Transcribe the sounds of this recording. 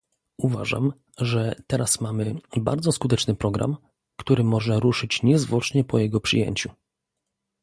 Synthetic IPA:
uva̰ʐa̰m | ʐɛt̪ɛɾasmamɘba̰ɾd̪zɔskut̪ɛt͡ʂnɘpɾɔɡɾa̰m | kt̪uɾɘmɔʐɛɾuʂɘt͡ɕɲɛzvwɔt͡ʂɲɛpɔjɛɡɔpʂɘ̰jḛɲt͡ɕu

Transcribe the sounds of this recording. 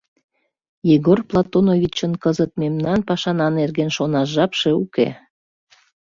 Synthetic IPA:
jiɣorplˠɑt̪onovʲit͡ɕənkəzət̪̚memnɑnpɑʃɑnɑnerɣenʃonɑʃʒɑpʃe̽ukḛ

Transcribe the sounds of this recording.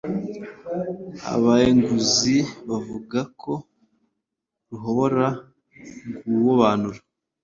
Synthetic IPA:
a̰βaeŋɡuziβavuɡakʰo̞ | ɾuɦooɾa | ɡuwoβaːnuɾa

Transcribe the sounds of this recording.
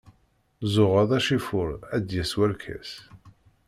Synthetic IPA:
zʊʁɑðˤæʃifʊɾæd̪jæswælkʰæ̰s

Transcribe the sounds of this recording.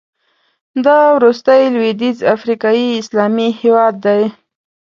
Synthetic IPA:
d̪ɑwɾust̪əjlwed̪izafɾikɑjiɪslɑmihewɑd̪ːaj

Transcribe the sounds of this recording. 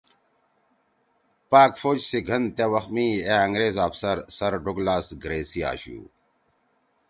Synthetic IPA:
paːkfoːd͡ʑsiɡʱɐnt̪ewɐxmiːeɐŋɡɾeːzaːfsɐɾsɐɾɖuɡlaːsɡɾeːsia̰ːɕṵː

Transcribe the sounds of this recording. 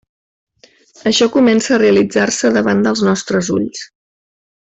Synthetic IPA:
əʃɔkumɛnsəːreəlid͡zarsəðəβand̪əlˠznɔst̪ɾəzṵʎs

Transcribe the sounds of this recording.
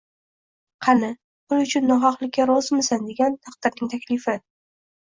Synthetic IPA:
qʰɑnɪ | pʰʊlˠʊt͡ʃʰʊnːɒχɑqlˠɪkʲːaɾɒzɪmɪsand̪e̞ɡʲant̪ʰaq̚d̪̥ɪɾnɪŋt̪ʰakʲlɪfɪ

